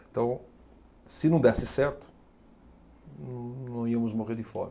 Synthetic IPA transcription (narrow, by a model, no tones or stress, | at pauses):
ẽt̪ɐ̃w̃ | sɪnɐ̃w̃d̪ɛsɪsɛɾt̪ʊ̥ | ñnɐ̃w̃iɐmʊzmoʁeɾd̪ɪfɔ̰ɾɐ